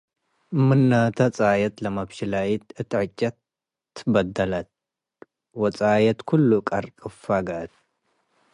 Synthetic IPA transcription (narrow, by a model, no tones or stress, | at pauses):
mɨnːat̪ʰɐt͡sʼajɐt̪lɐmabʃɪlajit̪ɨt̪ʰːiʕɨt͡ʃʼːɐt̪ː | bɐd̪ːɐlɐt̪̚ | wɔt͡sʼajɐt̪kʰulːukʼɐɾkʼɨfaɡɐt̪̚